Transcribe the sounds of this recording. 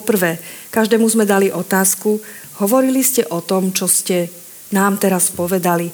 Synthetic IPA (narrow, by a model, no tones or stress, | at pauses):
pɔpr̩ʋɛːkaʒd̪ɛːmuzmɛd̪aliʔɔt̪aːsku | ɦɔʋɔɾiliscɛʔɔt̪ɔmt͡ʃɔscɛ | naːmt̪ɛɾaspɔʋɛd̪ali